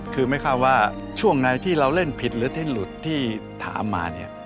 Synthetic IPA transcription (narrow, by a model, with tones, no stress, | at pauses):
kʰɯː˧ma˥˩jkʰa˥˩t̪̚waː˥˩ | t͡ɕʰu˥˩əŋna˧jt̪ʰiː˥˩ɾa˧wle˥˩npʰi˨˩t̪̚ɾɯː˨˦˥t̪ʰi˥˩nlu˨˩t̪ʰːiː˥˩t̪ʰa̰ː˩˦mːa̰ː˧ni˥˩ɐ